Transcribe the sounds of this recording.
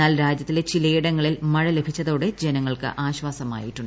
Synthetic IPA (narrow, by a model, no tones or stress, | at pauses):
aːlɾaːd͡ʑjɐt̪ːilet͡ɕilɐjiɽɐŋːɐɭilmɐɻɐle̞bʱit͡ɕːɐðo̞ːɽe̞d͡ʑenɐŋːɐɭkɨ̰ʔʔaːɕʋaːsɐma̰ːjiʈːuɳɖ